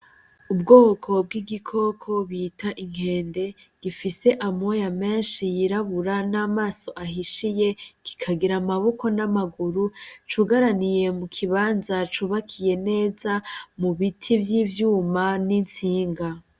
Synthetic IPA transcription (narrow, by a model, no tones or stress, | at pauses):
ubɡoːkʰo̞b̚ɡiɡikʰo̞kʰo̞βitʰaʔiŋ̥he̞ːnde̞ | ɡ̥ifise̞ʔamojame̞ːnʃijiɾaβuɾanaːmaːso̞ʔahiʃije̞ki̥kʰaɡiɾamaβoko̞namaɡuɾut͡ʃuɡaɾanije̞mukʰiβaːnzat͡ʃuβakʰije̞ne̞ːzamuβitʰivjiːvjuːmanint͡siːŋɡa